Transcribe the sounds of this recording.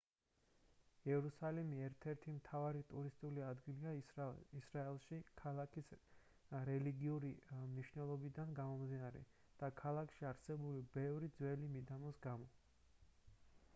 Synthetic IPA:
ɛɾusalimiɛɾt̪ʰɛɾt̪ʰimt̪ʰavaɾit̪ʼuɾist̪ʼuliad̪ɡiliaisɾaɛlˠʃikʰalakis | ɾɛliɡiuɾimniʃnɛlˠɔbid̪anɡamɔmd̪inaɾɛ̰ | d̪̥akʰalˠakʰʃiaɾsɛbulibɛvɾid̪zwɛlimid̪amɔsɡamɔ

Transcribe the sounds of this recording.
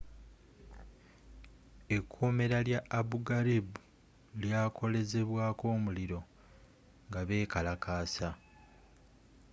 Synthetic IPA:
e̞kʰːuːme̞ɾaljaːβuɡaɾibu | ljaːkʰo̞le̞ze̞βwaːko̞ːmuliɾo̞ | ŋɡaβe̞ːkalakaːsa

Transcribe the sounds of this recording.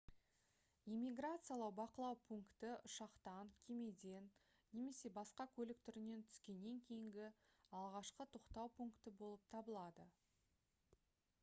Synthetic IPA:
ijmʲiɡrat̪sɨjalˠɑwbɑqəlˠɑwpʰuŋkt̪ɪʊʃɑqt̪ɑŋkʲʰe̞me̞d̪e̞nː | e̞me̞se̞bɑsqɑkʲʰɵlɪkt̪ʰʏɾɪne̞nt̪ʰʏ̥skʲe̞nːe̞ŋkʲʰe̞jɪŋɡʲɪɑlˠʁɑʃqət̪ʰoqt̪ɑwpʰuŋkt̪ɪbo̞lˠəp̚t̪ʰɑbəlˠɑd̪ə

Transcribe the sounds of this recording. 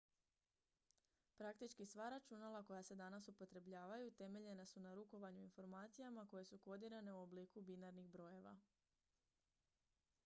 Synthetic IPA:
pɾakt̪it͡ʃkisʋaɾat͡ʃunalako̞jase̞d̪anasupo̞t̪ɾe̞bʎaːʋajut̪e̞me̞ʎe̞nasunaɾuko̞ʋaɲuinfo̞ɾmaːt̪sijamako̞je̞suko̞d̪iɾane̞uo̞bliːkubinaɾniɣbɾo̞je̞ʋa̰

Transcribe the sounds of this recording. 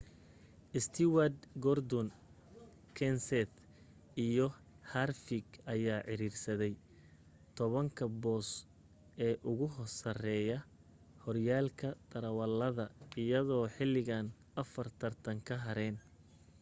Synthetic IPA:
ʔɪst̪ʰɪwad̪ɡɔrd̪ɔn | kʰɛnsɛt̪ | ijɔ | harfɪɡɐjaːʕɪɾiːrsɐðɛj | t̪ʰɔβɐŋkʰɐbɔːs | ʔɛːʔʊɣʊɦɔrsɐrɛːjɐ | hɔrjaːlkʰɐd̪̥ɐɾɐwɐlːɐðɐɪjɐðɔːħɪlɪɣaːn | ɐfɐrt̪ʰɐrt̪ʰɐŋkʰɐɦɐɾɛn

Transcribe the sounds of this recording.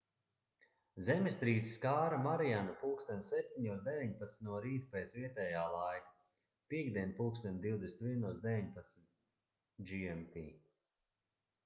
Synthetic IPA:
zɛmist̪ɾiːd̪ziskaːɾamaɾianapuːkst̪ɛnt̪sɛp̚t̪ʲiɲuːsd̪ɛvʲiɲpat̪snʲt̪uɔɾiːt̪peːt̪sviɛt̪ɛjaːlˠaj | piɛɡd̪iɛnpuːkst̪ɛnt̪d̪iwd̪esnt̪vʲiɛnuɔsd̪evʲiɲpat̪smit̪ | d͡ʒiɛmt̪iː

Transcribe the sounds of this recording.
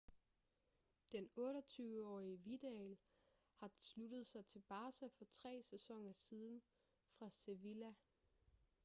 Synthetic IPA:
d̥enɔ̽ːɾɒt͡sʰyːʊəɒ̰ːiəʋid̥eɛl | hɑ̈slud̥ð̞̩ˠsɑ̈ɪt͡sʰe̝lb̥ɑ̈ːsæfɒ̽t͡sʰʁɛ̰ːsesɒ̽ŋ̰ɐsiːð̞ˠn̩ | fʁɑ̈se̝ʋilæ

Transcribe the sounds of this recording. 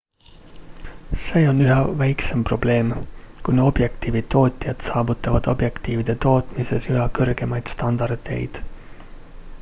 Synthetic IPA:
se̞ːo̞nyɦɑvæjksempro̞b̥le̞ːmkuno̞b̥jekt̪iːvio̞ːt̪ʲˑijɑd̪sɑːbut̪ˑːɑvɑd̪̥o̞̰bje̞kt̪iːvid̪̥e̞t̪o̞ːt̪ˑmise̞syɦɑkɤrɡ̥e̞mɑjd̪̥st̪ɑnd̪̥ɑrd̪e̞̰jd̪̥

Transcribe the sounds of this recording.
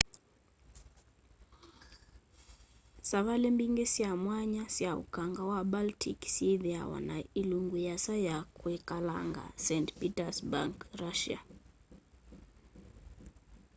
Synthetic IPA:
savalɛmbiŋɡɛsiamwaɲasiaṵkaŋɡawabaltʰiksiðiawa̰na̰iluŋɡujasajakwɛkala̰ŋɡa̰sɛntpitasba̰ŋkɾaʃia̰

